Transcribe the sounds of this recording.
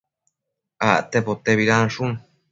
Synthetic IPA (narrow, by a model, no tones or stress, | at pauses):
aʔt̪epot̪eβiɾanʂun